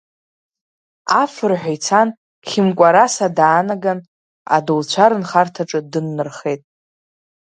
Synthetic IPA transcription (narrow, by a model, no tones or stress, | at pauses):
afɨrħʷᶣajt͡sʰan | χʲɪmkʷʼaɾasadaːnaɡan | a̰dolt͡ɕʷʰaɾɨnχartʰaʈ͡ʂʼɨdɨnːɨrχe̞jtʼ